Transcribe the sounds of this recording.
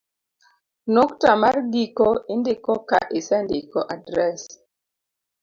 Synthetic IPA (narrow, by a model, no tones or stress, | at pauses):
noktamarɡikɔindɪkɔka̰ʔɪsɛndɪkɔʔadɾɛs